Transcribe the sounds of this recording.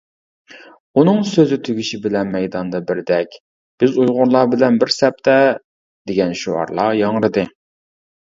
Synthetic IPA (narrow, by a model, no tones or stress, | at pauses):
unɨŋsøzɪt̪ʰyɡʲiʃibɪlɛnmɛjd̪ɑnd̪ɑbɪɾd̪ɛkʲ | b̥ɪzujʁʊɾlˠɑːbɪlɛnbɪɾsɛp̚t̪ʰɛ | d̪̥eɡʲɛnʃuɑ̰ɾlˠɑjɑŋɾɨd̪ɨ